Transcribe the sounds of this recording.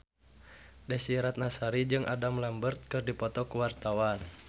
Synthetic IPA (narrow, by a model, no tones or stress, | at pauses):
dɛsiɾat̪̚nasaɾid͡ʒɨŋʔa̰damlambərt̪̚kɨrdipɔt̪ɔkuwart̪awan